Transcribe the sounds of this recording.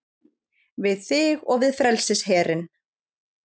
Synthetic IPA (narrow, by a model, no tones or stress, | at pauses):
vɪðθɪɣɔɣvɪðfɾɛlsɪsɦɛːɾɪn